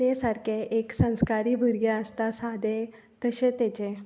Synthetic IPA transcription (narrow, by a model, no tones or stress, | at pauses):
t̪esaɾkʰeʔeksə̃w̃skaɾiːbʱəɾjaəst̪asad̪e | t̪əɕet̪et͡ɕe